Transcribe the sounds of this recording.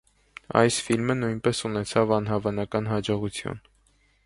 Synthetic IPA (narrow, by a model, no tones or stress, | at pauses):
ɑ̰jsfilmənujnpɛsunɛt͡sʰɑvɑnɦɑvɑnɑkɑnɦɑd͡ʒɔʁut͡sʰjṵn